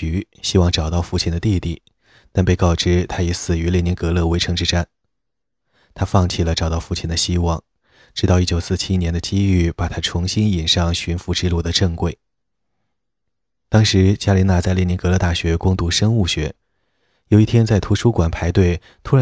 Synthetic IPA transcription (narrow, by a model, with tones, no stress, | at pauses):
y˧˥ | ɕi˥wɑ˥˩ŋʈ͡ʂɑ˨˩ʊt̪ɑ˥˧ʊfu˥˩t͡ɕʰi˧˥nd̪ə˧t̪i˥˧t̪i˥˩ | t̪a˥˧npe˥˧ɪkɑ˥˩ʊʈ͡ʂɻ̩˥˩t̪ʰa˥i˧˥sɹ̩˨˩y˧˥le˥˩ni˧˥nkɤ˧˥lɤ˥˩we˧˥ɪʈ͡ʂʰɤ˧˥ŋʈ͡ʂɻ̩˥˩ʈ͡ʂa˥n | t̪ʰa˥fɑ˥˧ŋt͡ɕʰi˥˩lə˩ʈ͡ʂɑ˨˩ʊt̪ɑ˥˧ʊfu˥˩t͡ɕʰi˨˩nd̪ə˦ɕi˥wɑ˥˩ŋ | ʈ͡ʂɻ̩˧˥t̪ɑ˥˧ʊi˥˩t͡ɕjo˨˩ʊsɹ̩˥˩t͡ɕʰi˥njɛ˧˥nd̪ə˧t͡ɕi˥y˥˩pa˨˩t̪ʰa˥ʈ͡ʂʰʊ˧˥ŋɕi˥ni˨˩nʂɑ˥˩ŋɕy˧˥nfu˧˥ʈ͡ʂɻ̩˥˧lu˥˩d̪ə˩ʈ͡ʂɤ˥˧ŋkwe˥˩ɪ | t̪ɑ˥ŋʂɻ̩˧˥t͡ɕja˥li˧˥na˥˧t͡sa˥˧ɪlni˧˥ŋkɤ˧˥lɤ˥˧t̪a˥˩ɕɥɛ˧˥kʊ˥ŋt̪u˧˥ʂɤ˥ŋu˥˩ɕɥɛ˧˥ | jo˨˩i˥˩t̪ʰjɛ˥nt͡sa˥˩ɪt̪ʰu˧˥ʂu˥kwa˨˩npʰa˧˥ɪt̪we˥˩ɪ | t̪ʰu˥ɻa˧˥